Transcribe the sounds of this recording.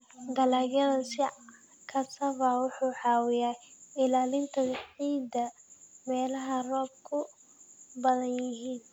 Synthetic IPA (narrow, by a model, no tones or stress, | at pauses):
ɡɐlaːɣjɐðɐsɪ | kʰɐsɐβɐwʊħuːħɑːwɪjaɪlaːlɪnt̪ʰɐħiːd̪ɐmɛːlɐɦɐrɔːb̚kʰʊ | bɐðɐnjjɪɦiːn